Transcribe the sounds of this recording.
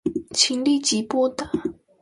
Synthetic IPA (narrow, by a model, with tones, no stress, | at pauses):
t͡ɕʰi˧˥ŋli˥˨t͡ɕi˨pɔ˥˨t̪a˩˨